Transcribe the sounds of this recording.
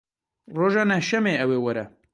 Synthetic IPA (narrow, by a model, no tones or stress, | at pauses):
roːʒɑːnɛhʃɛmeːɛweːwɐɾɛ̰